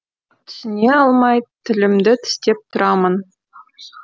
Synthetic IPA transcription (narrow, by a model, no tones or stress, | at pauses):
t̪ʲsʲnʲeɑlˠmɑjt̪ʲɘ̆lʲɘ̆md̪ʲɘ̆t̪ʰɘ̥̆sʲt̪ʲep̚t̪ʊ̆ɾʔɑmɤ̆n